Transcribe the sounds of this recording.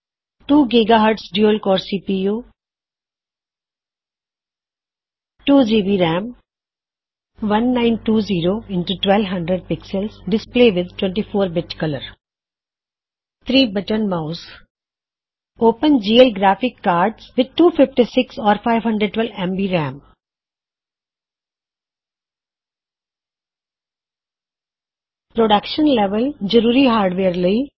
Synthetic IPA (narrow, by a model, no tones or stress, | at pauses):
ʈuːɡiɡaɦəɾʈsɖjoːlkɔːɾsiːpiːjuː | ʈuːd͡ʒiːbiːɾɛ̃ːm | ʋɐ̃nːãɪ̃nʈuːziːɾoːɪ̃ɳʈuʈʋɛlʋɦɐ̃ɳɖɾəɖ̚pɪksəlsɖɪspleːʋɪd̪̚ʈwɛ̃ɳʈifoːɾbɪʈkɐləɾ | t̪ʰɾiːbʌʈənmaʊs | oːpə̃nd͡ʒiːəlɡɾæːfɪkːaːɾɖsʋɪd̪̚ʈuːfɪfʈisɪksɔːɾfaɪʋɦʌ̃ɳɖɾəɖ̚ʈʋɛlɛ̃mbiɾæ̃ːm | pɾoɖʌkʃə̃nlɛʋəld͡ʒəɾuːɾiɦaːɾɖʋeːɾleː